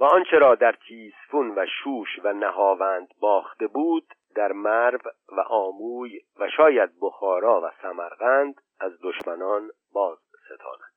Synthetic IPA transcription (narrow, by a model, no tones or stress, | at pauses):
væɒnt͡ʃʰe̞ɾɒːd̪æɾt̪ʰiːsfunvæʃuːʃvænæɦɒːvænd̪bɒːxt̪e̞buːd̪ːæɾmæɾv | væ̰ʔɒːmuːjvæʃɒːjæd̪̚bo̞xɒːɾɒːvæsæmæɾɣænd̪ | æzd̪o̞ʃmænɒːn | bɒːzbse̞t̪ʰɒ̰ːnæd̪̥